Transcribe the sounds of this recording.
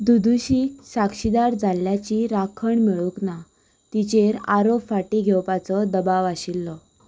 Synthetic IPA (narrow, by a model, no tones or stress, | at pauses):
d̪ud̪uɕisakɕid̪aɾd͡zaljat͡ɕiɾakʰəɳmiɭukna | t̪it͡ɕeɾaɾopfaʈiɡʱɛwpat͡sɔd̪əbaʋaɕilːɔ